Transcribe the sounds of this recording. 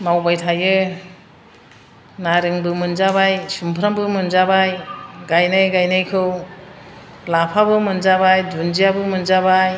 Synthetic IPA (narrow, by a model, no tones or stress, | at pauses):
mawbajtʰajɯ | naɾɯŋbɯmɯnzabajsumpʰɾambɯmɯnzabajɡajnajɡajnajkʰɯw | lapʰabɯmɯnzabajdund͡ʒijabɯmɯnzabaj